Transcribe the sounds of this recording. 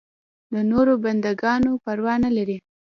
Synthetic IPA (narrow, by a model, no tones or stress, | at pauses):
d̪ənoɾoband̪aɡɑnopaɾwɑnalaɾi